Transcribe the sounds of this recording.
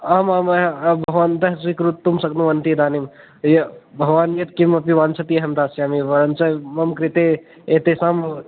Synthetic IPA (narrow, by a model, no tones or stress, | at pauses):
amaːmɐbʱɐɦʋaːnd̪ɐɦsikɾut̪ːumsɐknuʋɐnt̪id̪aːnim | jɐbʱɐʋaːnjɐt̪̚kimɐpiʋaːnt͡ʃʰɐt̪ijɐɦɐmd̪aːsjaːmiʋɐɾɐnt͡ʃɐmɐmkɾit̪e | et̪esaːm